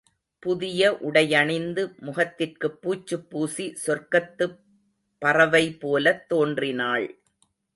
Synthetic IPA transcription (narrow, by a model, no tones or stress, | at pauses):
pʊðɪjɐʔʊɽɐjɐɳɪnd̪ɯmʊɣɐt̪ːɪrkɯpːuːt͡ʃːɯpːuːsisɔrkɐt̪ːɯ | pːɐrɐʋɐɪpoːlɐt̪ːoːndrɪnaːɭ